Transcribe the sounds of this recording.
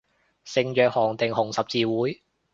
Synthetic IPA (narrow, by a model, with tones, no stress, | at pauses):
sɪ˨ŋjœː˨k̚hɔː˨˩ŋt̪ɪ˨˩ŋhʊ˨˩ŋsɐ˨p̚t͡siː˨wuː˨˥j